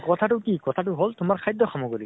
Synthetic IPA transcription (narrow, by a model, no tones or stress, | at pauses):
kɔt̪ʰatʊkikɔt̪ʰat̬ʊɦoltʊmaɹkʰajd̪ːɔxɔmɔɡɔli